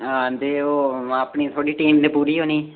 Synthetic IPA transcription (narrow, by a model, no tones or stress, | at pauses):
ad̪eːoːaːpɳiːt̪ʰoːɽiːʈiːmnẽːpuːɾiːɦoːniː